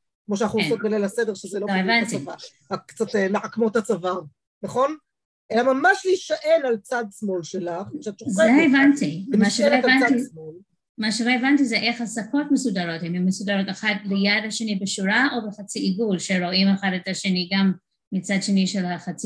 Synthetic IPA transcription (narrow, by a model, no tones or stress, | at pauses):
kmoʃ̬eanaχusot̚ɡalelasedeʁʃezeloloevantiva | akkt͡satemeħakmotat͡savaʁ | naχo̞n | ʔelamamaʃliʃaʔenalt͡sadsmo̞lʃelaχʃaʃuzeaevantimaʃeloevanaismol | maʃeloevantizeʔeχhasakʰo̞tmesudaɾothemɛmːesudaɾotaχat̚lejadhaʃenibeʃuɾaʔobeχat͡siʔiɡulʃeɾoimeχadetaʃeniɡamː | it͡sadʃeniʃelaχat͡s